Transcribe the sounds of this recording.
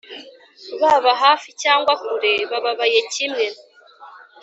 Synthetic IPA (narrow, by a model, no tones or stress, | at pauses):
βaβaɦaːficaːŋɡwakuɾe̞βaβaβaje̞cimŋen